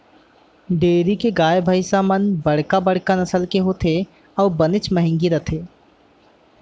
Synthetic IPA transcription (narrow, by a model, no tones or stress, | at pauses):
ɖeːɾikeɡaːjbʱəɪsamənbɐɽ̤kabɐɽ̤kanɐsəlkeɦoːt̪ʰe | ɔːbɐnɪt͡ʃmɐɦɪ̃ŋɡiɾɐt̪ʰeː